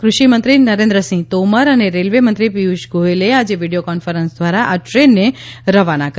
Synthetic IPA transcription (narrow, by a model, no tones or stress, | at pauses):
kɾʊʃimənt̪ɾinəɾẽnd̪ɾəsĩt̪oməɾəneɾelʋemə̃nt̪ɾipiuʃɡʱoelead͡ʒeʋiɖijokɔnfəɾənsd̪ʱʋaɾaʔaʈɾenːeɾəʋanak